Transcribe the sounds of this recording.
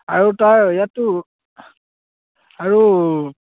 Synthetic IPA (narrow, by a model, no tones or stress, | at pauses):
aɹutajjatːu | aɹu